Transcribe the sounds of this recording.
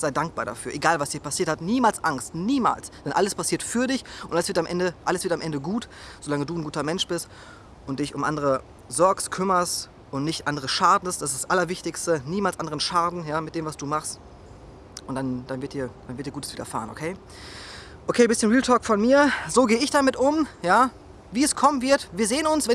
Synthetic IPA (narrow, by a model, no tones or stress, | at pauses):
z̥aɪdaŋk̚b̥a̰ːɾa̰fyːɐʔeɡaːlvasd̥iːɐpasiːɐthatniːmaːlsʔaŋstniːma̰ːlsd̥ɛnʔa̰ləspʰasiːɐtfyːɐdɪçʊntʔaləsv̥ɪɐtamʔɛndəʔaləsv̥ɪɐtamʔɛndəɡuːtz̥olaŋəduːnɡuːtɐmɛnʃb̥ɪst | ʔʊnt̚d̥ɪçʊmʔa̰ndəʁə | zɔɐkstkʰʏmɐst | ʔʊntnɪçtʔandəʁ̞əʃaːdn̩std̥asḁsʔalɐvɪçtɪçstəniːmaːlsʔandəʁənʃaːdn̩jaːmɪt̚d̥eːmvasd̥uːmaχst | ʔʊntd̥and̥anvɪɐt̚d̥iːɐd̥anvɪɐtd̥iːɡuːtəsviːdɐfa̰ːʁənʔo̰kʰeː | ʔokʰeːbɪsçənʁiːltʰɔːkfɔnmiːɐzoːɡeːəɪçd̥amɪtʔʊmjaː | viːɛskʰɔmənvɪɐtviːɐzeːənʊnsvɛ